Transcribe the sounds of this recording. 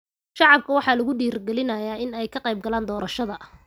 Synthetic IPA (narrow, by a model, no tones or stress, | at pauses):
ʃɑʕɑb̚kʰɐwɑħɑːlɐɣʊɖiːrɡɛlɪnɐjaːɪnɛjkʰɐqejb̚ɡɐlaːnd̪ɔːɾɐʃɐðɐ